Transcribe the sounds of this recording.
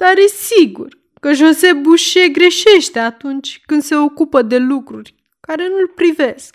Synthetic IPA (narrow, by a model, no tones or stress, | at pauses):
d̪̥arjesiɡṵr | kəʒo̞ze̞buʃe̞ɡɾe̞ʃe̞ʃt̪e̞at̪unt͡ʃʲkɨnd̪se̞o̞kupəd̪e̞lukɾurʲ | kaɾe̞nulpɾive̞sk̚